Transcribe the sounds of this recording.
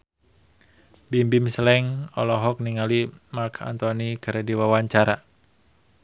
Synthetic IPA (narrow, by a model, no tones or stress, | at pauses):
bimbimslɛŋɔ̰lɔɦɔk̚niŋalimarkʰa̰nt̪ɔnikaɾɛdiwawaɲt͡ʃaɾa